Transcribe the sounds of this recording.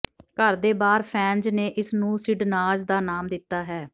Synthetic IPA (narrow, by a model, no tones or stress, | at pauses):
kəɾd̪eːbaːɾpʰɛ̃ːnd͡ʒneːʔɪsnũːsɪɖnaːzd̪aːnaːmd̪ɪt̪ːaːɦɛː